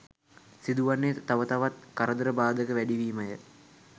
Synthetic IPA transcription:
sid̪uʋanːet̪aʋət̪aʋat̪kaɾəd̪əɾəbaːd̪əkəʋæɖiʋiːməjə

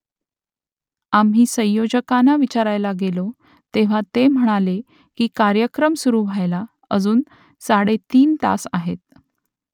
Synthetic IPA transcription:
amɦiːsə̃jjod͡ʑəkanaʋit͡ɕaɾajlaɡelo | t̪eʋ̤at̪em̤əɽ̃ale | kiːkaɾjəkɾəmsuɾuːʋʱajla | əd͡zuːn | saɽet̪iːnt̪a̰saɦet̪̚

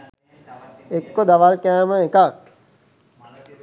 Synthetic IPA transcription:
ekːod̪aʋalkæːməekak̚

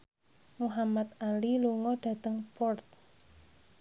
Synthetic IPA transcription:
muɦamat̪aliluŋɔɖ̥a̤t̪əŋpɔrt̪̚

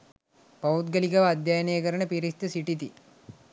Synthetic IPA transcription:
pɐut̪̚ɡəlikɐʋɐːd̪jajnəjəkəɾənəpiɾist̪əsiʈit̪i

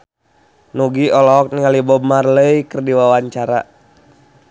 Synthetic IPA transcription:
nuɡiɔlɔk̚niŋalibɔmarləikərdiwawaɲt͡ʃaɾa̰

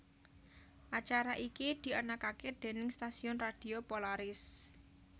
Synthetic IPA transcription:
ʔat͡ʃaɾaʔikid̪̥i̤ənakaked̪̥e̤nɪŋst̪asiʊnrad̪̥i̤opolaɾɪs

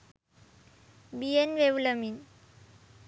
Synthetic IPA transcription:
bienʋeʋləmin

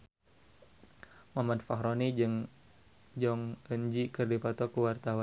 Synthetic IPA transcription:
mamanfahɾonid͡ʒŋ | d͡ʒɔŋəɲd͡ʒikərdipat̪ɔkuwart̪awan

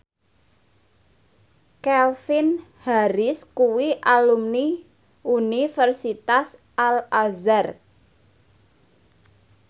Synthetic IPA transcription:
kɛlfinhaɾɪskuwiʔalumni | unifərsit̪as | alazar

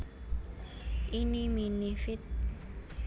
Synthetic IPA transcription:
iniminifit

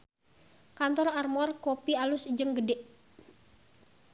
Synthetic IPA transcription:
kant̪ɔrarmɔrkopialusid͡ʒəŋɡədɛʔ

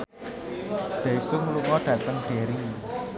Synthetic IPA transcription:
ɖ̪̥esʊŋluŋɔɖ̥ä̤t̪əŋɖ̥e̤ɾi

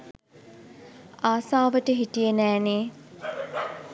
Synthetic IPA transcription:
aːsaːʋəʈəɦiʈijenæːneː

